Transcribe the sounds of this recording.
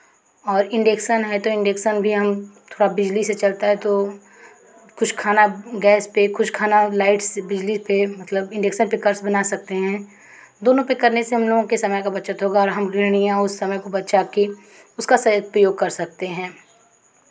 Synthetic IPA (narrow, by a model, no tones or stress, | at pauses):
ɔːɾɪ̃ɳɖeksənɦɛt̪oɪ̃ɳɖeːksənbʱiɦɐmt̪ʰoːɽabɪd͡ʒliset͡ʃɐlt̪aɦɛt̪o | kʊʃkʰaːnaɡɛːspekʊʃkʰaːnalaːɪʈsbɪd͡ʒlipemɐt̪ləbɪ̃ɳɖeːksənpɪkəɾsbɐnasɐk̚t̪eɦɛ̃ː | d̪oːnõpɪkəɾneseɦɐmloːɡõkesɐməjkabɐʃət̪ɦoːɡaɔːɾɦɐmɡɪɽ̃ijãʊsːɐməjkobɐt̪ʃaki | ʊskasɐjpɾəjoːɡ̚kɐɾsɐk̚t̪eɦɛ̃ː